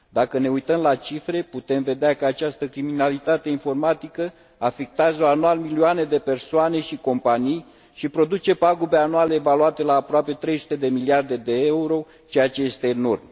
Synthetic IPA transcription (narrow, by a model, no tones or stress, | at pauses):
d̪akəne̞ujt̪əmlat͡ʃifɾe̞put̪e̞mve̞d̪eakəat͡ʃast̪əkɾiminalit̪at̪e̞info̞rmat̪ikə | afik̚t̪azəo̞anualmilioaned̪e̞pe̞rsoane̞ʃiko̞mpanij | ʃipɾo̞d̪ut͡ʃe̞paɡobeanualeːvaluat̪e̞laːpɾoape̞t̪ɾe̞jsu̥t̪e̞d̪e̞miliard̪e̞d̪e̞euɾo̞ | t͡ʃejat͡ʃe̞je̞st̪e̞nurm